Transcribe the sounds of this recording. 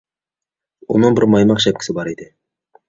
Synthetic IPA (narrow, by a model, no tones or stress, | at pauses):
ʊ̰nɤɴbɪɾmɑjmɑqʃæp̚kʲɪ̥sɪbɑɾid̪ɪ